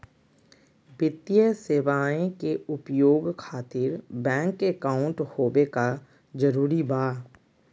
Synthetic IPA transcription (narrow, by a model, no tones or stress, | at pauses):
bɪt̪ijəseːʋaːẽkeʊpjoːɡkʰaːt̪ɪɾbɛ̃ːŋkekaːʊ̃ɳʈhoːbeka | d͡ʒəɾuːɾibaː